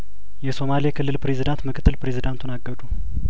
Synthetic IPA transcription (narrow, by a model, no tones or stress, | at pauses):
jɛso̞maliekʰɨlːɨlpɾe̞zid̪ant̪mɨkʰɨt̪ːɨlpɾe̞zid̪ant̪ʰunaɡːəd̪u